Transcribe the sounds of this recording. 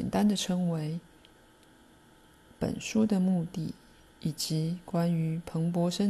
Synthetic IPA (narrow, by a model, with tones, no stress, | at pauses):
ɛ̰˨˩nt̪a˥nd̪ə˨ʈ͡ʂʰɤ˧˥ŋwe˧˥ɪ | pə̰˨˩nʂu˥d̪ə˨mu˥˧t̪i˥˩ | i˨˩t͡ɕi˧˥kwa˥ny˧˥pʰɤ˧˥ŋp̬wɔ˧˥ʂə˥